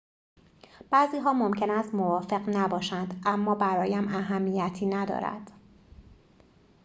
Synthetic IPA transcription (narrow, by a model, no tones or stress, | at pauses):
b̥æːziːɦɒːmo̞mcʰe̞næst̪mo̞vɒːfe̞ɢnæbɒːʃænd̪ʔæmːɒːbæɾɒːjæmʔæɦæmːiːjæt̪ʰiːnæd̪ɒ̰ːɾæ̰d̪̥